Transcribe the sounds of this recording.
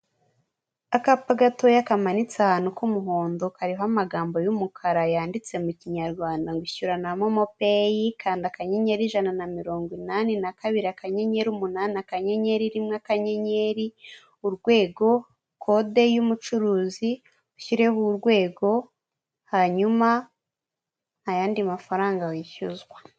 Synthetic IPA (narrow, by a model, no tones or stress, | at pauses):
akapaɡato̞jakamanit͡sahaːnukumuɦoːndo̞kaɾiɦamaɡaːmbo̞jumukʰaɾajaːndit͡se̞muciɲaɾɡwaːndaŋɡiçuɾanamomo̞pejikʰaːndakaɲe̞ɲe̞ɾiʒananamiɾo̞ːŋɡwinanenakaβiɾiakaɲe̞ɲe̞ɾumunaːnakaɲe̞ɲe̞ɾiɾimŋakaɲe̞ɲe̞ɾi | uɾɡwe̞ːɡo̞ | kʰo̞de̞jumut͡ʃuɾuːzi | uçiɾe̞huɾɡwe̞ːɡo̞ | haɲuma | jaːndimafaɾaːŋɡawiʃuzɡwḁ